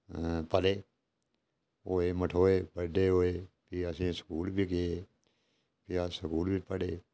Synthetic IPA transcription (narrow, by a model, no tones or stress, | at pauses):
pəleː | oːeːməʈʰoːeːbəɖeːɦoːeːpiəsĩːsə̥kuːlbʱiːkɪeː | piasəkuːlbiːpəɽeː